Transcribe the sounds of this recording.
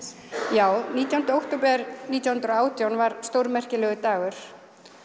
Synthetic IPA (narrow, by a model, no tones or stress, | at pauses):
jaːwniːt̪jawhnɾowht̪opɛɾniːt̪jawhʏnɾoaːwt̪jawnvaɾ̥st̪owɾmɛr̥cɪlɛɣʏt̪aːɣʏɾ̥